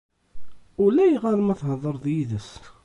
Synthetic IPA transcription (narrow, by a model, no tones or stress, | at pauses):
ʊlæjʁɑɾˤmæθhəðˤəɾˤðjiðəs